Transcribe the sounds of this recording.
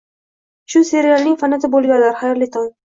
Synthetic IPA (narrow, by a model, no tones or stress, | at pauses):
ʃʊseɾɪjalˠnɪŋʲfanat̪ʰɪbolˠɡʲallaɾχajɾlɪt̪ʰɒn